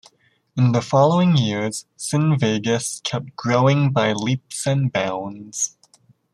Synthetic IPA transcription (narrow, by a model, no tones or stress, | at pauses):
ɨ̃nðəfɑlˠoʊɪ̃ŋjɪɹz̥sɨ̃nveɪɡɨskʰɛp̚t̚ɡ̥ɹoʊɪ̃ŋbaɪlipsɨ̃nbãʊ̃nz̥